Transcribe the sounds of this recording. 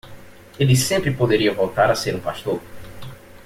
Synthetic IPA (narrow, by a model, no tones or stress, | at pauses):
elisẽmpɾɪpod̪eɾiɐvolt̪aɾaseɾũpast̪oɾ